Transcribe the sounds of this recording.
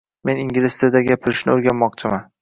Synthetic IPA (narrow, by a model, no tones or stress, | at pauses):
me̞niŋɡʲɪlɪst̪ed̪aɡʲapʰɪɾɪʃnɪoɾɡʲanmɒqt͡ʃʰɪman